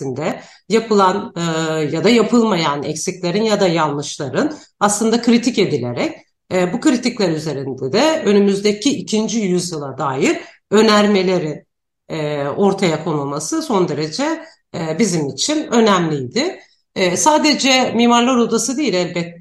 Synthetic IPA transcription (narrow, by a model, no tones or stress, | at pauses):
ind̪ɛ | japʰɯlˠanːjad̪ajapʰɯlˠmajanɛ̰csiclʲe̞ɾinjad̪ajanˠːɯʃlˠaɾɯn | aslˠɯnd̪akʰɾit̪ʰice̞d̪ilʲe̞ɾɛc̚ː | bukɯɾit̪iclʲæɾyze̞ɾind̪ɛd̪ɛø̞nymyzd̪ecʰiʔicʰind͡ʒijyzjɯlˠad̪aːjiɾ | ø̞næɾme̞lʲe̞ɾin | ɛːo̞ɾt̪ʰajakʰo̞nulˠmasɯso̞nd̪e̞ɾe̞d͡ʒɛ | bizimit͡ʃʰinø̞næmlʲijd̪ɪ | saːd̪e̞d͡ʒɛmiːmaɾlˠaɾo̞d̪asɯd̪ejilʲælʲbɛt̪ː